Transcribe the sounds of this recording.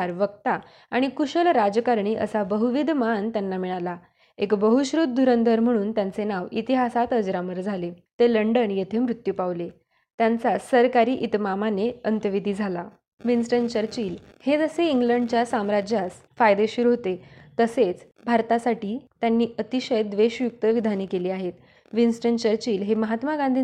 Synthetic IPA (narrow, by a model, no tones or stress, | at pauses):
ɾʋəkt̪a | aɽ̃ikuɕəlɾad͡zkaɾɳiːʔə̰sabəɦuʋid̪mant̪janːamiɭ̃ala | ekbəɦuɕɾut̪̚d̪uɾənd̪ʱəɾm̤əɽ̃uːnt̪jant͡senaʋit̪iɦasat̪ɦəd͡zɾaməɾd͡zʱale | t̪eləɳɖəɳjet̪ʰemɾut̪jupaʋle | t̪jant͡sasəɾkaɾiːʔit̪mamaneənt̪əʋid̪ʱiːd͡zʱala | ʋinsʈənt͡ɕəɾt͡ɕiːl | hed͡zəseiŋɡləɳɖt͡ɕjasamɾad͡ʑjas | fajd̪eɕuɾuɦot̪et̪əset͡s | bʱaɾt̪asaʈiːt̪janːiːət̪iɕəjd̪ʋeɕʋjuk̚t̪əʋid̪ʱaniːkeliːaɦet̪ | ʋinsʈəɳt͡ɕəɾt͡ɕiːlɦeməɦat̪maɡãnd̪ʱiː